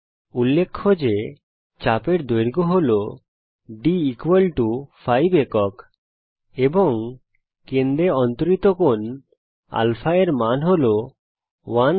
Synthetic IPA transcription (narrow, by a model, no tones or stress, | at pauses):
ulːekʰːod͡ʑe | t͡ɕapeɾd̪ojɾɡoɦolo | ɖiikwelʈufʰajbekɔk | ebɔŋ | kend̪eɔnt̪oɾit̪okon | a̰lfʰaeɾmanɦolo | wan